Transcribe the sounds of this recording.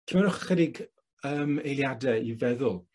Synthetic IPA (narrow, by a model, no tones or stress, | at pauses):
tʰmanʊχχɛdɪɡ | əːmejlˠjadɛivɛðʊlˠ